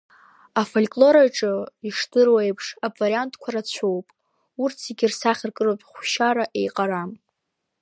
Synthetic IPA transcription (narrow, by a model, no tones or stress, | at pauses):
afolkʼlo̞ɾaʈ͡ʂʼɨiʂtɨrwajpʰʂabvaɾiantʰʼkʷʰaɾat͡ɕʷʰowpʼ | urtʰiɡʲɪrsaχʲɪrkʼɨlopʼχʷʃaɾaʔe̞jqʼaɾam